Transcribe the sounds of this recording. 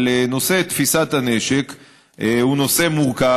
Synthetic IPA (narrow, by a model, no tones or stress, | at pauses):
leno̞se̞t̪fisat̪aneʃek | huno̞se̞muʁka